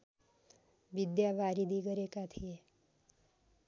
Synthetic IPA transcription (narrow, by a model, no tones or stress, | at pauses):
bid̪jaʋaɾid̪ʱiɡʌɾekat̪ʰie